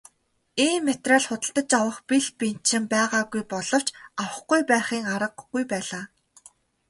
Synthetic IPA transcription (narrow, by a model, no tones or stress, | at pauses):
iːnːet̪raːɮχʊt̪ə̆ɬt̪ə̆t͡ɕawə̆χpiɮpin̥t̪ʃɪ̆mpæːʁaːɡujpɔɮɞ̆w̥t͡ɕawə̆χɡujpæːχiːŋaɾə̆qɡujpæːɮaː